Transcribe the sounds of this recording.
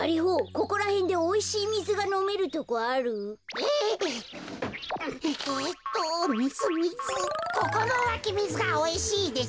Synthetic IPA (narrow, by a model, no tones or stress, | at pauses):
aɾʲiɦoːko̞ko̞ɾahẽ̞nd̪e̞oiɕiːmʲizɨɡano̞me̞ɾɯ̟t̪o̞koaɾɯ̟e | et̪ːomizɨmʲizɨkoko̞ɾoβakʲimʲizɨɡaoiɕiːd̪e